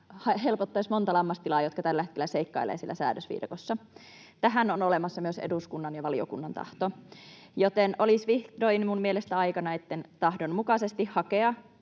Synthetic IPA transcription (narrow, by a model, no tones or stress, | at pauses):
hɑhelpot̪ːɑismont̪ɑlɑmːɑst̪ilɑːjot̪kɑt̪ælːæet̪kelːæseikːɑilḛːsilːæ̰sæ̰ːdøsʋḭːdɑ̰kosːɑ | t̪æɦænonolemɑsːɑmyøseduskunːɑnjɑʋɑlio̰kunːɑnt̪ɑ̰ht̪ojot̪enʔolisʋihdoinmummielest̪æɑikɑnɑet̪ːent̪ɑhdonmukɑsest̪ihhɑkeɑ